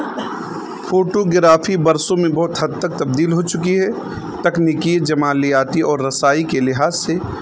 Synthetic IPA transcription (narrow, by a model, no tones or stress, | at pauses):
fʰoːʈoɡɪɾaːfʰibɐɾsõmẽbɔɦt̪ɦɐd̪ːək̚t̪ɐb̚d̪iːlɦot͡ʃʊkiɦɛ | t̪ɐknikid͡ʒɐmaːlijaːt̪iʔɔːɾːɐsaːikelɪɦaːzse